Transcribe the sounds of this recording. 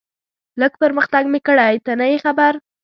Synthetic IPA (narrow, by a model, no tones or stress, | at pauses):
ləɡpəɾməxt̪aɡmekəɽajt̪anəjexabaɾ